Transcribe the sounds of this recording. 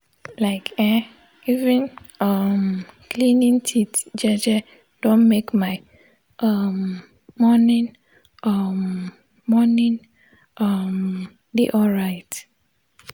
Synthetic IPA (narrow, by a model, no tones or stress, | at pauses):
laɪkʰɛ | ivɛ̃nʌmkʰlĩnĩŋtʰitd͡ʒɛd͡ʒɛ | d̥õnmekmaɪ | ʔʌmː | ɔnĩn | ʔʌmː | ɔnĩn | ʔʌm | dḛʔɔlɹaɪt